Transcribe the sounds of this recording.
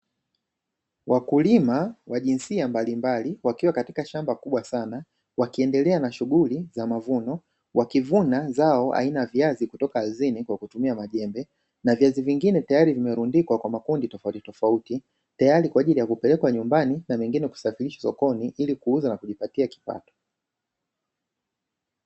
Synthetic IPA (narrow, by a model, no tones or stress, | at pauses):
wakulimawaʄinsiambalimbaliwakiwakati̥kaʃambakuɓwasana | wakiɛndɛlɛanaʃuɠulizamavunɔ | wʔakivunazaɔʔa̰inajaviazikutɔkaːzinikwakutumiamaʄɛmbɛ | naviaziviŋɡinɛtajaɾivimɛɾundikwakwamakunditɔfautitɔfauti | tajaɾikwaːʄilijakupɛlɛkwaɲumbaninamɛŋɡinɛku̥safiliʃḁsɔ̰kɔniʔilikuuzanakuʄipatiaki̥pa̰tɔ̥